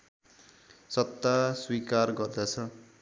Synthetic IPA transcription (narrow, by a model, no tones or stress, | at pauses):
sʌt̪ːaswikarɡʌrd̪at͡sʰʌ